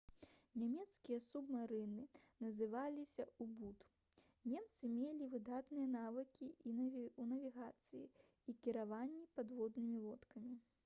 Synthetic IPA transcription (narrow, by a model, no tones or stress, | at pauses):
nʲamʲɛt̪skʲijɐsubmaɾɨnɨnɐzɨvalʲisʲɐubut̪ | nʲɛmt̪sɨmʲelʲivɨd̪at̪nɨjɐnavɨkʲiunɐvʲiɣat̪sɨjḭ | ikʲiɾavanʲːipad̪vɔd̪nɨmʲilˠɔt̪kɐmʲi